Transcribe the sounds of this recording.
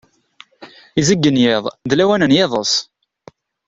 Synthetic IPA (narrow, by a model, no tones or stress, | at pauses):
izəɡːənjɪðˤðlæwænənjeðˤəs